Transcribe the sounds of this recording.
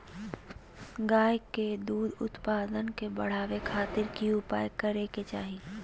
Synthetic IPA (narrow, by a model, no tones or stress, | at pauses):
ɡaːjked̪uːd̪ʊ̰t̪paːd̪ənkebɐɽ̤aːʋekʰaːt̪ɪɾkiʊpaːjkɐɾeket͡ʃaːɦi